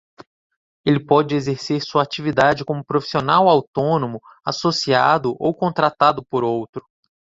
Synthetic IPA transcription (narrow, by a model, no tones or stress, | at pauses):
elɪpɔd͡ʒɪezeɾseɾsuɐat͡ʃivid̪ad͡ʒɪkõmʊpɾofi̥sionawawt̪õnõmʊ | asosiad̪ʊʔowkõnt̪ɾat̪ad̪ʊpoɾowt̪ɾʊ̥